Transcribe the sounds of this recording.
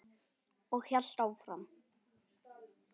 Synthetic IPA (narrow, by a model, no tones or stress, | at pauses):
ɔɣçjal̥t̪awfɾam